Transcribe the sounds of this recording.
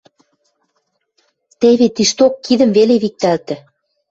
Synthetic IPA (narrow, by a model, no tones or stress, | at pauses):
t̪eβet̪iʃt̪okːiðə̆mveleβik̚t̪ælt̪ɘ̆